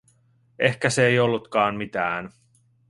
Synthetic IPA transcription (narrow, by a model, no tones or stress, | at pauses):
e̞hkæseejo̞lːut̪kɑːnmit̪æːn